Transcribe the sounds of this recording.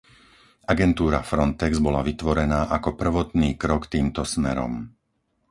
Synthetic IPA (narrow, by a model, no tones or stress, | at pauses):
ʔaɡɛnt̪uːɾafɾɔnt̪ɛɡzbɔlaʋit̪ʋɔɾɛnaːʔakɔpr̩ʋɔt̪niːkɾɔkt̪iːmt̪ɔsmɛɾɔ̰m